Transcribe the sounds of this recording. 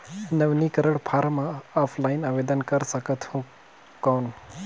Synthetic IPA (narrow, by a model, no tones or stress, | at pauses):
nəʋnikəɾəɽpʰaːɾmãaːpʰlainaʋed̪ənkəɾsəkət̪ʰhũ | kaːn